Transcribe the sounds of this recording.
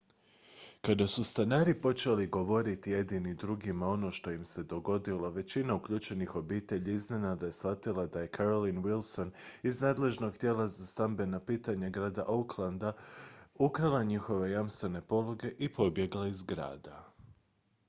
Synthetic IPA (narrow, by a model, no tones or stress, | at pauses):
kad̪asust̪anaːɾipo̞t͡ʃeliɡo̞ʋo̞ɾit̪ije̞d̪inid̪ɾuɡimao̞no̞ːʃt̪o̞jimse̞d̪o̞ɡo̞d̪ilˠo̞ʋe̞t͡ɕinaukʎuːt͡ʃe̞nixo̞biːt̪e̞ʎiiznenad̪ajesfat̪ilˠad̪aje̞kʰaɾolinwilˠso̞niznaːd̪le̞ʒno̞ɡt̪jeːlˠazast̪ambe̞napiːt̪aɲaɡɾaːd̪aʔouklˠand̪aukɾalˠaɲixo̞ʋe̞jamst̪ʋe̞ne̞po̞lˠoɡe̞ʔipo̞bje̞ɡlaizɡɾa̰ːd̪a